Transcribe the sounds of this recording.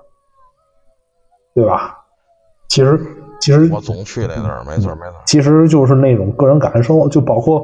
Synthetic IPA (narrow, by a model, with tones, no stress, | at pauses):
t̪we˥˩ɪbɐ̰˩ | t͡ɕʰi˧˥ʂɻ̩˧˥t͡ɕʰi˧˥ʂɻ̩˧˥n̩˥˩n̩˥˩t͡ɕʰi˧˥ʂ̬ɻ̩˧˥t͡ɕjo˥˧ʊʂ̬ɻ̩˥˧ne˥˩ɪʈ͡ʂʊ˨˩ŋkɤ˥˩ɻə˧˥nka̰˨˩nʂo˥˧ʊt͡ɕjo˥˩ʊpɑ˨˩ʊkʰwɔ˥˩